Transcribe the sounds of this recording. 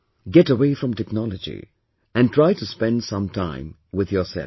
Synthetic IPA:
ɡɛtəweɪfɹʌ̃mtɛknɑlˠəd͡ʒḭ | ɨ̃ntʰɹ̥aɪtuspɛ̃ndsʌ̃mtʰã̰ɪ̃m | wɪðjə˞sɛ̰l

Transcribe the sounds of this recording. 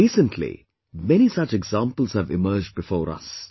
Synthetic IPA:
iːsə̃ntʰlḭ | mɛñisʌt͡ʃɛɡzãːmpəl̩z̥həvɪ̰mɜːd͡ʒ̚bɪfɔːɾʌ̰s

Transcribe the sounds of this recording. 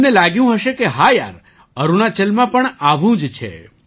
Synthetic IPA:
nelaɡjũɦəʃekeɦaja̰ɾ | əɾunat͡ʃəlmãpəɳaʋũd͡ʒt͡ʃʰḛ

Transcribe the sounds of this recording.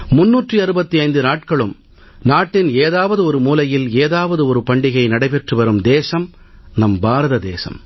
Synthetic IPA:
mʊnːuːʈriɐɾɯbɐt̪ːiɐɪnd̪ɯnaːʈ̚kɐɭɯm | naːʈːɪneːðaːʋɐðɯɔɾɯmuːlɐjɪleːðaːʋɐðɯɔɾɯpɐɳɖɪɣɐɪnɐɽɐɪpɛʈrɯʋɐɾɯmd̪eːsɐm | nɐmbaːɾɐðɐd̪eːsɐ̰m

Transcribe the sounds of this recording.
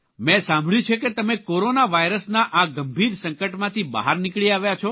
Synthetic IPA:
mɛ̃sãmbʱɭjũt͡ʃʰeket̪əmekoɾonaʋajɾəsnaʔaɡəmbʱiɾsə̃ŋkəʈmãt̪ʰiba̰ɦaɾnikɭiaʋjat͡ʃʰo

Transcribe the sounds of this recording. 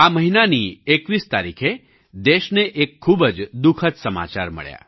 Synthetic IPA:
aməɦinaniːekʋiːst̪a̰ɾḭkʰe | d̪eɕneʔekʰːuːbəd͡zd̪ukʰət͡ssəma̰t͡ɕa̰ɾmə̰ɭja̰

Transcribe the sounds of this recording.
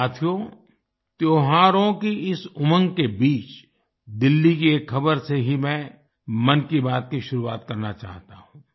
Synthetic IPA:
aːt̪ʰjo | t̪joːɦaːɾõkiɪsʊmə̃ŋɡkebiːt͡ʃ | d̪ɪlːikiekʰːɐbəɾseɦimɛ̃ | mɐnkibaːt̪̚kiʃʊɾuaːt̪kɐɾnat͡ʃa̰ːɦt̪aɦũː

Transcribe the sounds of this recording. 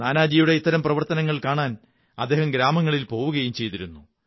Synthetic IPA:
naːnaːd͡ʑijuɽe̞it̪ːɐɾɐmprɐʋɐrt̪ɐnɐŋːɐɭkaːɳaːn | ɐd̪ːe̞ːhɐmɡɾaːmɐŋːɐɭilpo̞ːʋuɣɐjumt͡ɕe̞jt̪iɾunːu

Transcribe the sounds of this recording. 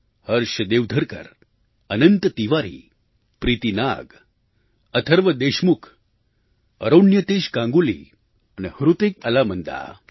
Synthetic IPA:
həɾɕəd̪eʋd̪ʱəɾkə̰ɾ | ənənt̪ət̪iʋaɾḭː | pɾiːt̪ina̰ɡ | ət̪ʰəɾʋəd̪eɕmukʰ | ə̰ɾonjət̪eɕkãŋɡulḭ | anehɾut̪ik̚əlamənd̪a̰

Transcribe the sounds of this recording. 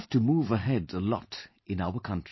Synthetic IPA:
ftumuːvəɦɛdəlɔ̰t | ɪ̃naʊəkʰʌ̃nt

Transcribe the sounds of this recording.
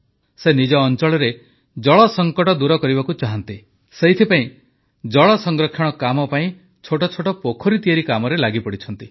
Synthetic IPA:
senid͡ʒɔːnt͡ʃɔɭɔɾe | d͡ʒɔɭɔsɔŋkɔʈɔd̪uɾɔkɔɾibakut͡ʃaɦant̪i | seɦit̪ʰipaĩ | d͡ʒɔɭɔsɔŋɡɾɔkʰːjɔɽ̃ɔkamɔpaĩ | t͡ʃʰoʈɔt͡ʃʰoʈɔpokʰɔɾit̪ijaɾikamɔɾelaɡipɔɽit͡ʃʰɔnt̪i

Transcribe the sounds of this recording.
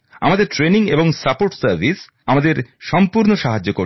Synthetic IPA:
a̰mad̪eɾʈɾeniŋeboŋsapoɾʈsaɾvis | amad̪eɾʃɔmpuɾnoʃaɦad͡ʑːoko

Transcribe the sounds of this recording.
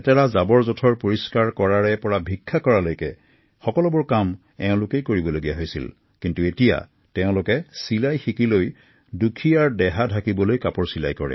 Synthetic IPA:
ɛtɛɹazabɔɹzɔtʰɔɹpoɹiskaɹkɔɹaɹɛpɔɹabʱikʰːakɔɹalojkɛ | xɔkɔlɔbʊɹkam | ɛʊ̃lʊkejkoɹibɔloɡijaɦojsḭl | kintuetija̰ | tɛʊ̃lʊkɛsilajxikiloj | dukʰijaɹdɛɦadʱakibɔlojkapɔɹsila̰jkɔɹɛ̰

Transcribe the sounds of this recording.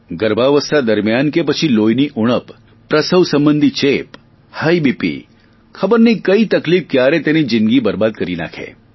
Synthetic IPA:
ɡəɾbʱaʋəst̪ʰad̪əɾmjankepət͡ʃʰilojniʔuɽ̃əpː | ɾəsəʋsəmbənd̪ʱit͡ʃep | həibipḭ | kʰəbəɾnikəit̪ɐkliːf̚kjaɾet̪enid͡ʒinɡibəɾbaːd̪̚kəɾina̰kʰḛ

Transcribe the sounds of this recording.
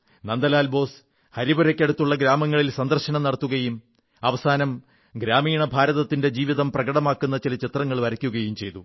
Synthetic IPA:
nɐnd̪ɐlaːlbo̞ːs | hɐɾibuɾɐkʲːe̞ɽut̪ːuɭːɐɡɾaːmɐŋːɐɭilsɐnd̪ɐrɕɐɳɐmnɐɽɐt̪ːuɣɐjum | ɐʋɐsaːnɐm | ɡɾaːmiːɳɐbʱaːɾɐðɐt̪ːinde̞d͡ʑiːʋiðɐmprɐɡɐɽɐmaːkːunːɐt͡ɕilɐt͡ɕit̪rɐŋːɐɭʋɐɾɐkʲːuɣɐjumt͡ɕe̞jt̪u

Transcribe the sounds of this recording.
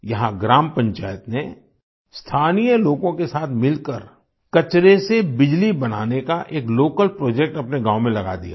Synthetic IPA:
jɐɦãɡɾaːmpɐ̃ɲt͡ʃa̰ːjət̪ne | st̪ʰaːnijəloːɡõkesaːt̪ʰmɪlkəɾ | kɐt͡ʃɾesebɪd͡ʒlibɐna̰ːnekaʔeːkloːkəlpɾoːd͡ʒek̚ʈɐpneɡãːwmẽlɐɡa̰d̪ija̰ː

